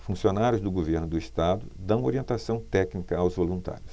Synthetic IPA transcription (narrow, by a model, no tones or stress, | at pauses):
fũsionaɾjʊzd̪ʊɡoveɾnʊd̪ʊist̪ad̪ʊd̪ɐ̃w̃oɾiẽnt̪asɐ̃w̃t̪ɛknikɐawzvolũnt̪a̰ɾjʊs